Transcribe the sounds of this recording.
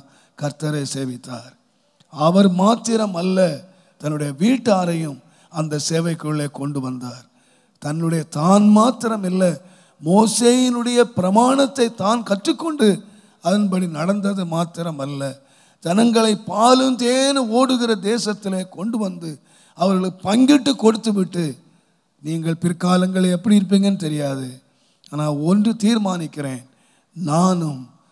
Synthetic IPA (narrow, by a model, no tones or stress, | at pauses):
kɐɾt̪ɐɾeːseːʋɪt̪ːaːɾ | ɐʋɐɾmaːt̪ːɪɾɐmɐlːɐ | t̪ɐnːɯɽɐjɐʋiːʈːaːɾɐjɯm | ɐnd̪ɐseːʋɐɪkːɯɭːeːkɔɳɖɯʋɐnd̪aːɾ | t̪ɐnːɯɽɐjɐt̪aːnmaːt̪ːɪɾɐmɪlːɐ | moːseːjɪnɯɽɐjɐpɪɾɐmaːɳɐt̪ːɐɪt̪aːnkɐʈːrɯkːɔɳɖɯ | ɐðɐnbɐɽinɐɽɐnd̪ɐðɯmaːt̪ːɪɾɐmɐlːɐ | d͡ʒɐnɐŋɡɐɭɐɪpaːlɯnd̪eːnɯoːɽɯɣɪrɐd̪eːsɐt̪ːɪleːkɔɳɖɯʋɐnd̪ɯ | ɐʋɐɾɣɐɭɯpɐŋɡɪʈːɯkːɔɽɯt̪ːɯʋɪʈːɯ | niːŋɡɐɭpɪɾkaːlɐŋɡɐɭɛpːɐɽiɪɾɯp̬ːiːŋɡɐnːɯt̪ɛɾɪjaːðɯ | aːnaːɔndrɯt̪iːɾmaːnɪkːɪɾeːn | naːnɯm